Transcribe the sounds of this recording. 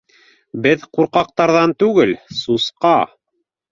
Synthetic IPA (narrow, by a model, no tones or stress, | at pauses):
bɘðquɾqɑq̚t̪ɑɾðɑnt̪ʉɡɘlsusqɑ